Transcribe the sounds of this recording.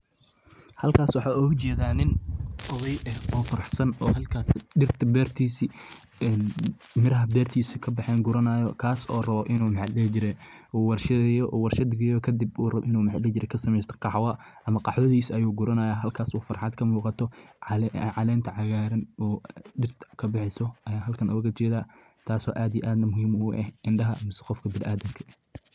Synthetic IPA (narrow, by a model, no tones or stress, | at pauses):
hɐlkʰaːswɑħɑːuːʊt͡ʃɛːðaːnɪnʔɔðɐjɛɔːfɐɾɑħsɐnɔːhɐlkʰaːsɗɪrt̪ʰɐbɛːrt̪ʰiːsi | ɛn | mɪɾɐɦɐbɛːrt̪ʰiːsɪkʰɐbɑħɛːŋɡʊɾɐnajɔkʰaːsɔːrɐβɔʔɪnuːmħɑlɛt͡ʃɪɾɛː | wɐrʃɐjɔʔwɐrʃɐd̪ɡɪjɔkʰɐd̪ɪbrɐɪnuːmħɑlɛt͡ʃɪɾɛkʰɐsɐmɛjst̪ʰɐ̥qɑħwɐ | ʔɐmɐqɑħwɐðiːsɐjuːɡʊɾɐnɐjaːɦɐlkʰaːsuːfɐrħɑd̪kʰɐmuːqɑt̪ʰɔ | ʕɑlɛːnt̪ʰɐʕɑɣaːɾɐnɔːɖɪrt̪ʰkʰɐbɪħɛsɔʔɐjaːɦɐlkʰɐnʔʊɣɐt͡ʃɛːðaː | t̪ʰaːsɔ̰ːʔaːd̪ijɛ̰ʔaːd̪nɐmʊhiːmuʊʔɛ̰hʔɪnɖɐɦɐmɪsɛ̥qɔfkʰɐbɪlʔaːðɐŋkʰɐ